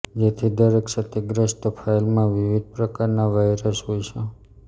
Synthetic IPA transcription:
d͡ʒet̪ʰid̪əɾeksət̪iɡɾəʃʈ̪əpʰailmãʋiʋid̪̚ʱpɾəkaɾnaʋajɾəsɦojt͡ʃʰe

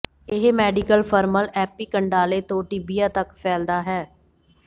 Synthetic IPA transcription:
ɪɦmɛːɖikəlpʰəɾməlɛːpiːkəɳɖaːleːt̪õːʈiːbiːaːt̪əkpʰɛːld̪aːɦɛː

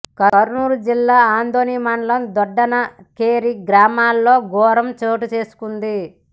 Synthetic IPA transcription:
kɐɐɾnuːɾud͡ʒilːaːaːnd̪ʱoːnijmaːɳlɐmd̪ɔɖːɐnɐ | keːɾiɡɾaːmaːlːo̞ːɡɔːɾɐmt͡ʃoːʈut͡ʃe̞ːsu̥kund̪i

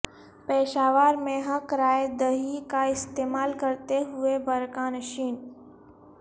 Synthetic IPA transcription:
peːʃaːʋaːɾmẽɦəkɾaːed̪əɦikaɪst̪eːmaːlkɐɾt̪eɦʊebɐɾkãnɐʃiːn

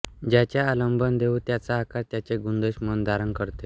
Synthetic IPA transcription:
d͡ʑat͡ɕjaːləmbʱənd̪eut̪jat͡saːkaɾt̪jat͡ɕeɡund̪əɕmənd̪aɾəŋkəɾt̪e

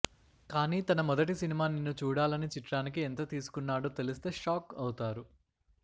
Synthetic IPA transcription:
kaːniːt̪ɐnɐmɔd̪ɐʈisinimaːninːut͡ʃuːɽaːlɐnit͡ʃiʈɾaːnikient̪ɐt̪iːsu̥kunːaːɽoːt̪e̞list̪e̞ːʂaːkɐwut̪aːɾu

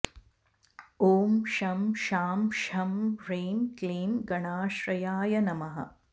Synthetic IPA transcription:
oːmʃɐmʃaːmʃɐmɾeːmkleːmɡɐɳaːʃɾɐjaːjɐnɐmɐɦɐ̰

